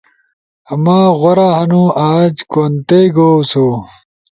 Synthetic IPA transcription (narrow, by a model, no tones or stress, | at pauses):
ɐmaːɣɐɾaːhɐnũːʔaːd͡ʑkont̪eɡoːsoː